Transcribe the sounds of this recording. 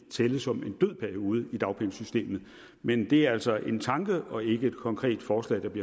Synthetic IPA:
t͡sʰeːləsɒ̽me̝nd̥øð̞̰ˠpʰæɐio̝ːð̞̩ˠəid̥ɑ̈ʊpʰeŋsysd̥e̝̰ːmð̩ˠ | mend̥e̝æɐæl̰sɒ̽ʔe̝nt͡sʰɑ̈ŋɡ̥əʔɒ̽e̝ɡ̥əe̝d̥kʰɒ̽ŋkʰʁɛ̰ːd̥fɒːslɛ̰ɪd̥ɑ̈b̥liɐ

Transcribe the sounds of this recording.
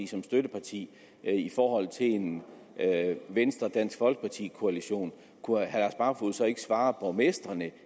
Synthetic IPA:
isɒ̽msd̥ød̥əpʰɑ̈t͡sʰḭː | ifɒːɦɒ̽l̰t͡sʰe̝e̝n | ʋensd̥ʁɐd̥æn̰sɡ̥fɒ̽l̰ɡ̥ə̥pʰɑ̈t͡sʰḭːkʰo̝æliɕo̝̰ːn | kʰuhæd̥æɐsb̥ɑ̈ːfoð̩ˠsɒ̽e̝ɡ̥ə̥sʋɑ̈ːpʰɒ̽mesd̥ʁɐnə

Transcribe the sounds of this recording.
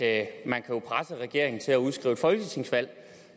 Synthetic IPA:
mænkʰæjo̝pʰʁasəʁɛɡ̥e̝ɐe̝ŋn̩t͡sʰe̝læuð̞ˠsɡ̥ʁḭʊ̰efɒ̽lɡ̥ʰit͡sʰe̝ŋsʋæl̰

